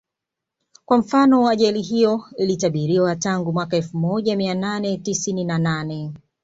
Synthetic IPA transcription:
kwam̩fanɔwaaʄɛliɦijɔilitaɓiɾiwataŋɡumwakaɛlfumɔʄamiananɛtisininananɛ

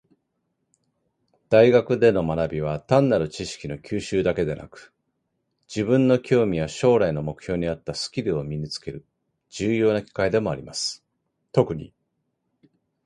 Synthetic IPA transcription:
d̪̥aiɡakɯ̟d̪e̞no̞manabʲiβ̞at̪ãnːaɾɯ̟t͡ɕiɕi̥kʲino̞kʲɨːɕɨːd̪ake̞d̪e̞na̰kɯ̟̥ | d͡ʑibɯ̟̃nːo̞kʲo̞ːmʲijaɕo̞ːɾaino̞mo̞kɯ̟̥çʲo̞ːɲ̟iat̪ːasɨ̥kʲiɾɯ̟o̞mʲiɲ̟it͡sɨ̥ke̞ɾɯ̟ | d͡ʑ̥ɨːjo̞ːnakʲi̥kaid̪e̞mo̞aɾʲimasɨ̥ | t̪o̞kɯ̟ɲ̟ḭ

